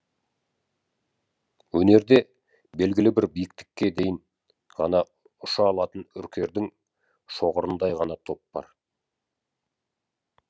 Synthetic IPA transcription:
wɵne̞ɾd̪e̞ | be̞lɡʲɪlɪbɪɾbijɪk̚t̪ɪ̥kʲːe̞d̪e̞jɪn | ʁɑnɑ | ʊʃɑːlˠɑt̪ənʏ̰ɾkʲʰe̞ɾd̪ɪŋ | ʃo̞ʁəɾənd̪ɑjʁɑnɑt̪ʰo̞p̚b̥ɑ̰ɾ

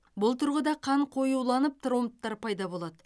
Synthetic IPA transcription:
bʊlˠt̪ʰʊɾʁəd̪ɑqʰɑɴqʰo̞juwlˠɑnəp̚t̪ʰɾomt̪ːɑɾpʰɑjd̪ɑbo̞lˠɑd̪ə

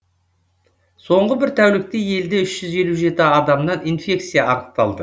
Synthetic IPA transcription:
so̞ɴʁəbɪɾt̪ʰæwlɪk̚t̪eje̞ld̪eʏʃʒ̥ʏze̞luʒe̞t̪ɪɑd̪ɑmnɑninfʲe̞kt̪sijɑɑɾəq̚t̪ɑlˠd̪ə

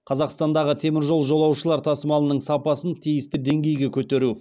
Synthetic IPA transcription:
qʰɑzɑqst̪ɑnd̪ɑʁət̪ʰe̞mɪɾʒo̞lˠʒo̞lˠɑwʃəlˠɑɾt̪ʰɑsəmɑlˠənəɴsɑpɑsənt̪ʰijɪst̪ɪd̪e̞ŋɡʲe̞jɡʲe̞kʲʰɵt̪e̞ɾu

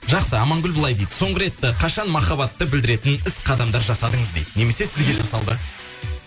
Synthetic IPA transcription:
ʒɑqsəɑmɑŋɡʲʏlbʊlˠɑjd̪ejd̪əso̞ɴʁəɾe̞t̪ːɪqʰɑʃɑnmɑχɑbɑt̪ːəbɪld̪ɪɾe̞t̪ɪnɪsqʰɑd̪ɑmd̪ɑɾʒɑsɑd̪əɴəzd̪ejd̪ne̞me̞se̞sɪzɡʲe̞ʒɑ̰sɑlˠd̪ə

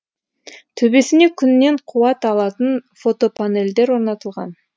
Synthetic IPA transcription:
t̪ʰɵbe̞sɪne̞kʲʰʏnːe̞ɴqʰuɑt̪ɑlˠɑt̪ənfo̞t̪o̞pʰane̞ld̪e̞ɾwo̞ɾnɑt̪əlˠʁɑ̰n

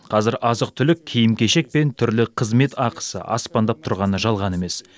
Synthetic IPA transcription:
qʰɑzɪɾʔɑzəq̚t̪ʰʏlɪk̚ʲʰːijɪmkʲʰe̞ʃe̞k̚pe̞nt̪ʰʏɾlɪqʰəzme̞t̪ʰɑqə̥sə̰ʔɑ̰spɑnd̪ɑp̚t̪ʰʊɾʁɑnəʒɑlˠʁɑne̞me̞s

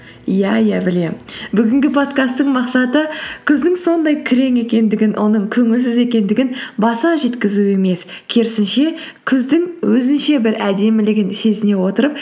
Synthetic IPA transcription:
jæjæbɪle̞mbʏɡʲɪŋɡʲɪpʰo̞t̪kast̪ːəɴmɑqsɑt̪əkʲʰʏzd̪ɪŋso̞nd̪ɑjkʲʰɪɾe̞ŋe̞kʲe̞nd̪ɪɡʲɪnwʔo̞̰nəɴkʲʰɵŋɪlsɪze̞kʲe̞nd̪ɪɡʲɪnbɑsɑʒe̞t̪kʲɪzue̞me̞s | kʲʰeɾɪsɪnʃe̞ | kʲʰʏzd̪ɪŋwɵzɪnʃe̞bɪɾæd̪e̞mɪlɪɡʲɪnse̞zɪne̞wo̞t̪əɾəp̚

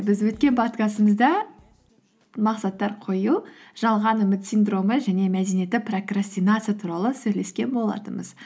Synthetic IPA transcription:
bɪzwɵt̪̚kʲe̞nbʰɑt̪kɑsəməzd̪ɑ | mɑqsɑt̪ːɑɾqʰo̞juʒɑlˠʁɑnʏmɪt̪sijnd̪ro̞məʒæne̞mæd̪enije̞t̪ːɪpro̞krasʲt̪inat̪sɨijat̪ʰuɾɑlˠəsɵjle̞skʲe̞nbo̞lˠɑ̰t̪əməz

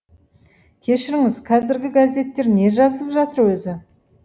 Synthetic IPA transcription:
kʲʰe̞ʃɪɾɪŋɪzqʰɑzɪɾɡʲɪɡazʲe̞t̪ːe̞ɾne̞ʒɑzəlˠəpʒɑt̪əɾwɵzɪ

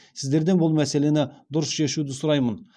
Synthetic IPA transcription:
sɪzd̪e̞ɾd̪e̞nbʊlˠmæse̞le̞nɪd̪ʊɾəsʃe̞ʃud̪ɪsʊɾɑjmən

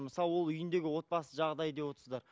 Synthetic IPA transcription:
məsɑlˠəwolˠʏjɪnd̪e̞ɡʲɪwo̞t̪̚bɑsəʒɑʁd̪ɑjəd̪e̞pwo̞t̪ɾsəzd̪ɑɾ

